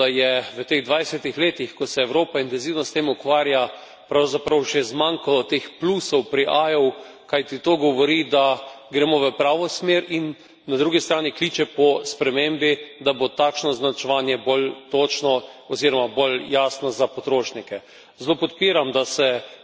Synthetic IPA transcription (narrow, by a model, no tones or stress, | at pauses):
d̪ajɛʋət̪eɣd̪ʋajsɛt̪ixleːt̪ixkɔsɛːwɾoːpaint̪ɛnziwnɔst̪eːmukʋaːɾja | pɾawzapɾawʒɛzmaŋkalɔt̪eːxplusɔwpɾiʔajɔw | kajt̪it̪oɡɔʋɔɾid̪a | ɡɾɛmɔʋəpɾaːʋɔsmeːɾinː | ad̪ɾuːɡist̪ɾaːnikliːt͡ʃɛpɔspɾɛmembid̪abot̪aːkʃnɔznat͡ʃɛʋaːnjɛbolt̪ot͡ʃnɔɔziːɾɔmaboljaːsnɔzapɔt̪ɾoːʃnikɛ | zloːpɔt̪piːɾamd̪asɛ